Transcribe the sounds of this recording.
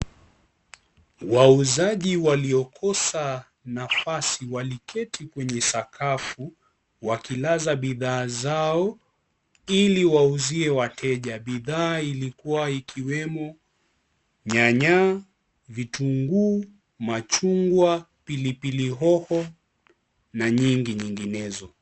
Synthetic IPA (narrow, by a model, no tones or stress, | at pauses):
wauzaʄiwaliɔkʰɔsa | nafasiwalikʰɛtʰikwɛɲɛsakʰafu | wakilazaɓiðaːzaɔ | iliwauziɛwatʰɛʄaɓiðaːilikuwaikʰiwɛmɔ | ɲaɲa | vituŋɡuː | mat͡ʃuŋɡwa | pilipiliɦɔhɔ | naɲiŋɡiɲiŋɡinɛzɔ